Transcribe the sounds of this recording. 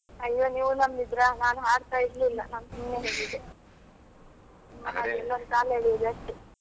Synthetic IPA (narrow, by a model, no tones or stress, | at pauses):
ɐjːoːniːʋunɐmɡid̪ɾanaːnuɦaːɽt̪aːjid̪liːlːɐ̰naːmsumneːɦeɡid̪e | ɐd̪ɛlːɐɾukaːlɦeːɭiid̪eɐʂʈe